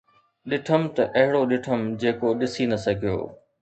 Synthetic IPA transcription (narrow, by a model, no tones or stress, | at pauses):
ɗɪʈʰəmt̪ɐʔɐɦɪɽoɗɪʈʰəmd͡ʑeːkoɗɪsinɐsɐɡʱijo̰ː